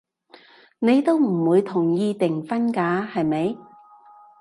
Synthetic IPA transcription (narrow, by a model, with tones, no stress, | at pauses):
ne˨˧jt̪o˥wm̩˨˩wuː˨˧jt̪ʰʊ˨˩ŋjiː˧t̪ɪ˨˩ŋfɐ˥nkaː˨˥hɐ˨jme˨˧˥j